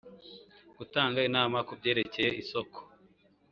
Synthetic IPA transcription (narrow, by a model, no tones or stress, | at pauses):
ɡ̥utaːŋɡainaːmakubɟe̞ːɾe̞ce̞je̞iso̞ko̥